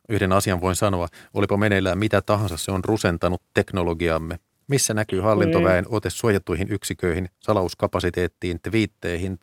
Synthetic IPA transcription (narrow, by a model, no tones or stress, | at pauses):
yhde̞nɑsiɑnʋo̞insɑno̞ɑʔo̰lipɑmenelːæmit̪æt̪ɑɦɑnsɑsseonruse̞nt̪ɑnut̪ːe̞kno̞lo̞ɡiɑmːe̞ | misːænækyːhɑlːint̪o̞ʋæeno̞t̪e̞sːuojɑt̪ːujɦinyksikø̞ihinsɑlɑuskɑpɑsit̪e̞ːt̪ːiːnt̪ʋiːt̪ːejhin